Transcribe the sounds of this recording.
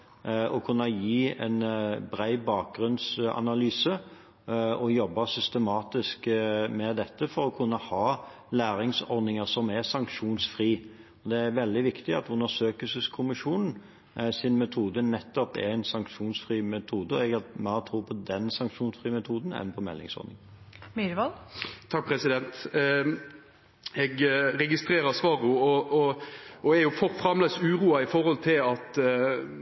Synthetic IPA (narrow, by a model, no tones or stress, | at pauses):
ɔkʰʉnːɑjiːɛ̰nbɾæɪbɑːk̚ɡɾʉnsɑ̰nɑlyːsə | ɔjɔbːɑsʏst̪əmɑːt̪ɪskmɛd̪ɛt̪ːəfɔɾɔkʰʉnːəhɑː | læːɾɪŋsɔɾd̪ɪŋəsɔmɛsɑŋkʂuːnsfʁiː | ɔd̪ɛæɾʋɛld̪ɪʋɪkt̪ɪɑ̰t̪ʉnːəʂøːkəsəskʰʊmɪʂuːnn̩ | sɪnmɛt̪ʰuːd̪ənɛt̪ːɔpɛ̰ɾɛnsɑŋkʂuːnsfɾiːmɛt̪ʰuːd̪əɔ̰ɛɡɑmæʁt̪ʰɾuːpʰɔd̪ɛnsɑŋkʂuːnsfɾiːmɛt̪ʰuːd̪n̩ɛ̰npʰɔmɛ̰lːɪ̰ŋsɔ̰ɾnɪ̰ŋ | med̪əʋɑlt̪ʰɑk̚pʰɾɛsɪd̪ɛnt̪ | ɛɡɾɛɡɪst̪ɾeːɾəsʋɑːɾʊɔɔɔɛɾjʊfɔʁfɾɑmlesʉːɾuːɑɪfɔɾhɔlt̪ʰɪlɑt̪